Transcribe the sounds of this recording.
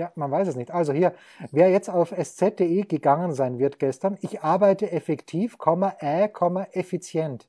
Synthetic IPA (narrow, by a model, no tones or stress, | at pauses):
jaːmanvaɪsɛsnɪçtʔalzohiːɐ | veːɐjɛt͡staʊfɛst͡sɛt̚d̥eːeːɡ̥əɡaŋənzaɪnvɪɐtɡ̥ɛstɐnɪçʔaɐbaɪtəʔɛfɛktʰiːfkʰɔmɐʔɛɐkʰɔmɐʔɛfit͡sjɛnt